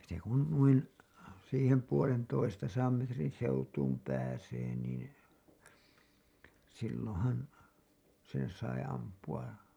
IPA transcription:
se kun nuin siːhem puolentoistɑsɑːm metrin seutuːm pæːseː niːn silːõːhɑn sen sɑi ɑmpuɑ

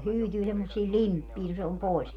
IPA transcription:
hyːtyː semːosˑiː limpːiː no se om poˑis

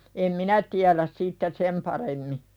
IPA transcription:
em minæ tiælæs sitːe sem pɑremːi

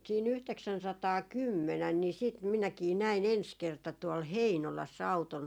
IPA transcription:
siːn yhteksænsɑtɑːkymːenæn ni siːt minækiː næin ens kertɑ tuol heinolɑsː ɑuton

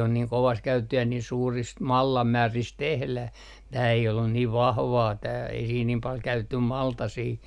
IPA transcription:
on niːŋ koʋɑː se kæytetːih jɑ niːn suːrist mɑlːɑmːæːrist tehlæh tæː ei olːun niːʋ ʋɑhʋɑː tæː ei siːn niːm pɑl kæytetːy mɑltɑsiː

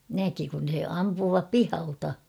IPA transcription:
næki kun̞ se ɑmpuːʋɑp pihɑltɑ

